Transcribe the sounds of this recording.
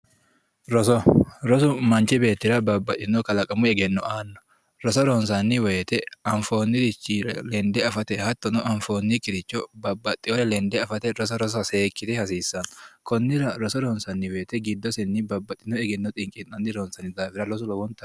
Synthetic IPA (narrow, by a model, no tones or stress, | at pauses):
ɾɔsɔɾɔs̬ʊmɐnt͡ʃɪbe̞ːt̪ːɪɾɐbɐbːɐt̪ʼːɪnːɔkɐlɐkʼɐmʊɛɡɛnːɔʔaːnːɔ̥ | ɾɔsɔɾɔns̬ɐnːɪweːt̪ɛɐɱfoːnːit̪ɪt͡ʃːiɾlɛnd̪ɛɐfɐt̪ɛhɐt̪ːɔnɔʔɐɱfoːnːikʼɪɾɪt͡ʃːɔbɐbːɐt̪ʼːɪɔɾɛlɛnd̪ɛɐfɐt̪ɛɾɔs̬ɔɾɔsɔseːkːɪt̪ɛhɐsiːsːɐnkʰɔnːɪɾɐɾɔsɔɾɔnsɐnːɪweːt̪ɛɡɪd̪ːɔsɛnːɪbɐbːɐt̪ːɪnːɔɛɡɛnːɔt̪ʼɪŋkʼɪnɐnːɪɾɔnsɐnɪd̪aːfɪɾɐɾɔs̬ʊlɔwɔnt̪ɐ